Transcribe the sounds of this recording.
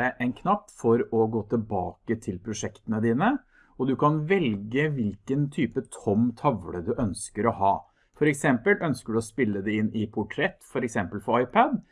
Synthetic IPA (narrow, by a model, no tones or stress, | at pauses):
æʔɛnkʰnɑpːfɔɾɔɡoːt̪ʰɪlbɑːkət̪ʰɪlpʰɾʊʂɛkt̪ənəd̪iːnə | ɔd̪ʉkʰɑnʋɛlɡəʋɪlkənt̪ʰyːpət̪ʰɔmt̪ʰɑʋɽəd̪ʉʔœnskəɾɔhɑː | fɔɾɛksɛmpəlœnskəɖʉɔspɪlːəd̪ɛɪnːɪpʰʊʈʰɾɛt̪ːfɔɾɛksɛmpəlfɔɑɪpʰəd̪